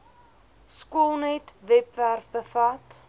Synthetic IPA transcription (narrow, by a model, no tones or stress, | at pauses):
skuəlˠnɛtvɛpværfbəfɐt